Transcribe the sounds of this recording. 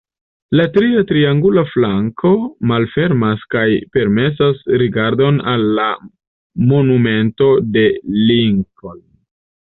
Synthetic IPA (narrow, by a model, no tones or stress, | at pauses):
latɾiatɾiaŋɡulaflaŋkʰo̞malfe̞ɾmaskajpe̞ɾme̞s̬asɾiɡaɾdo̞nalːa | mo̞nume̞nto̞de̞liŋko̞n